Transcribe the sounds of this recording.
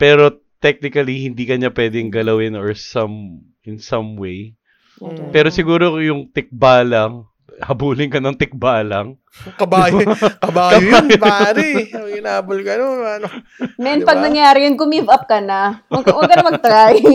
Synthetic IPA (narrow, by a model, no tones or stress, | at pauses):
pɛːɾo̞ | t̪ɛk̚nɪkɐlihɪnd̪iːkɐɲɐpwɛːd̪ɛŋɡɐlɐwɪnɔɹsɐm | ɪnsɐmwej | pɛːɾo̞sɪɡuːɾojʊŋt̪ɪk̚baːlɐŋ | hɐbuːlɪŋkɐnɐŋt̪ɪk̚baːlɐŋ | kɐbaːjkɐbaːkɐjoajbaɾɪoɪnaːbʊlɡɐnonno | mɛnpɐɡnɐŋjaːɾɪjʊnɡʊmivɐp̚kɐnaɐwɐɡkɐnɐmɐt̪ɾaj